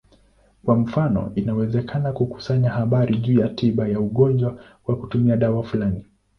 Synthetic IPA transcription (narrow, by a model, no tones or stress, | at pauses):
kwam̩fanɔ̰inawɛzɛkʰanakuku̥saɲahaɓaɾʔiʄuːjatʰiɓajauɠɔnd͡ʒwa | wakutumiaɗawafulani